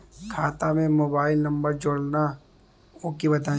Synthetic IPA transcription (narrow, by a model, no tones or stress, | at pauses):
kʰaːt̪amẽmoːbaːɪlnɐ̃mbəɾd͡ʒoːɽna | oːkibɐt̪ãː